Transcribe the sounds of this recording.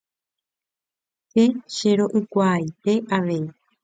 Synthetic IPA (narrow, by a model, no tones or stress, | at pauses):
se̞ʃe̞ɾo̞ʔɨkʷajt̪e̞ʔaʋe̞i